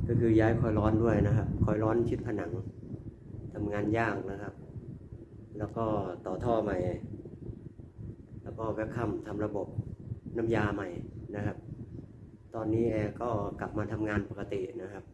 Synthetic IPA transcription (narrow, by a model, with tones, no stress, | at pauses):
kɔː˥˩kʰɯː˧jaː˦˥jkʰɔ˧jlɔː˦˥ndu˥˩əjna˦˥kʰa˦˥p̚kʰɔ˧˩jɾɔː˦˥nt͡ɕʰi˦˥t̪̚pʰa˧na˩˦ŋ | t̪ʰa˧mŋaː˧njaː˥˩k̚na˦˥kʰa˦˥p̚ | lɛː˦˥wkɔː˥˩t̪ɔː˨˩t̪ʰɔː˥˩ma˨˩j | lɛː˦˥wkɔː˥˩wɛ˦˥kʰa˥˩mt̪ʰa˧mɾa˧bo˨˩p̚na˦˥mjaː˧ma˨˩jna˦˥kʰa˦˥p̚ | t̪ɔː˧nːiː˦˥ʔɛː˧kɔː˥˩ka˨˩p̚maː˧t̪ʰa˧mŋaː˧npa˨˩ka˧t̪i˨˩na˦˥kʰa˦˥p̚